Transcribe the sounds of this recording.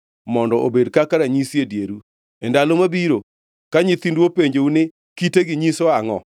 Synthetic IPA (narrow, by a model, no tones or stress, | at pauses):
mɔndɔʔobedkakaɾaɲisjedjeɾu | endalomabiɾo | kaɲit̪indwopeɲd͡ʒeunɪ | kiteɡɪɲisoaŋɔ